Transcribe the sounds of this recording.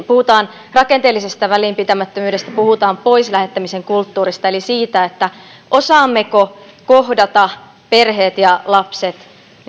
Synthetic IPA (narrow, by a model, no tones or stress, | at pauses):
puhut̪ɑːn | rɑkent̪eːlːisest̪æʋæliːmpit̪æmæt̪ːømyːɾe̞st̪æpuhut̪ɑːmpo̞islæhe̞t̪ːæmise̞ŋkult̪ːuːɾist̪ɑe̞lisiːt̪æet̪ːæ | ʔosɑːmːekokohdɑt̪ɑ | pe̞rɦe̞ːt̪jɑlɑpset̪